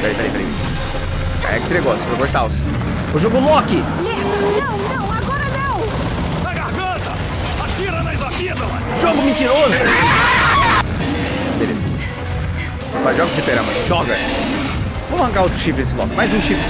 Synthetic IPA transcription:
pɐɾejpɐɾepɐɾḛ | a̰ɛksɪneɡɔsjpɾokoʃt̪aʊs | oʒoɡlɔkɪ | aɡɔɾɐnɐw̃ | aɡahɡɐ̃t̪ɐ | at͡ʃiɾɐnajzafid̪ɐ | ʒoɡʊmĩt͡ʃiɾozʊ | ĩt̪eɾesɐ̰̃t͡ʃɪ̥ | paʒɔɡɐd͡ʒɪt̪eɾɐ̃mɐʒɔɡɐ | võmhɐ̃kaɾowt̪ɾʊʃifɪnesɪlɔ̰kɪmajzũʃif

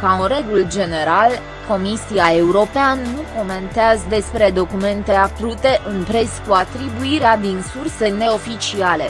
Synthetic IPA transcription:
kaɨnɾe̞ɡuld͡ʒe̞ne̞ɾal | ko̞misiae̞uɾo̞peanːuko̞me̞nt̪eazəd̪e̞spɾe̞d̪o̞kume̞nt̪e̞akɾut̪e̞ʔɨnpɾe̞skuat̪ɾibuiɾead̪insurse̞ne̞o̞fit͡ʃiale̞̰

